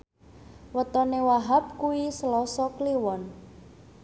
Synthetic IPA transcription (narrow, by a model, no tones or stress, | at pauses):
wət̪ɔnewaɦap̚kuwisəlɔsɔkliwɔn